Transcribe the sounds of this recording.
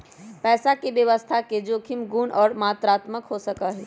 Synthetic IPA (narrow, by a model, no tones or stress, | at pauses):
pɛːsakeʋjəʋəst̪ʰaked͡ʒoːkʰɪmɡuːnʔɔːɾmaːt̪ɾaːt̪məkɦosəkaɦɛː